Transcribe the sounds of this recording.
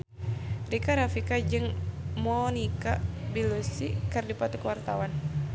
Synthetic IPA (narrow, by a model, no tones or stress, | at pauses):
rikaɾafikad͡ʒɨŋmonikabilusikɨrdipat̪ukwart̪awan